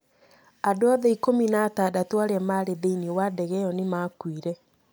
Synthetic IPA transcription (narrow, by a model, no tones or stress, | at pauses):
adoaðɛikominaːtaːdatoaɾamaɾeðeiniwadɛɣɛjɔnemakwiɾɛ